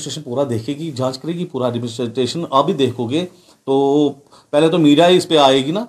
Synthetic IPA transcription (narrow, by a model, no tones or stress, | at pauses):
sʈɾeːʃənpuːɾad̪eːkʰeːɡid͡ʒãːt͡ʃkɐɾeːɡipuːɾaɖmɪsʈeːʃənɐbʱid̪eːkʰoːɡeː | t̪oː | pɛɦlet̪̬omiːɖijaɪspeaːeːɡinaː